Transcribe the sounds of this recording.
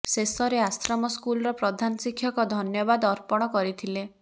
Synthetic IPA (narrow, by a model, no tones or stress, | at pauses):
sesɔɾeasɾɔmɔskulɔɾɔpɾɔd̪ʱanɔsikʰjɔkɔd̪ʱɔnjɔbad̪ɔɾpɔɽ̃ɔkɔɾit̪ʰile